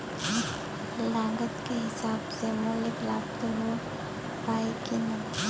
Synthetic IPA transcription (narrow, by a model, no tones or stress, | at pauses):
lãːŋɡət̪keɦɪsaːbsemʊleklaːbt̪oɦo | paːikinə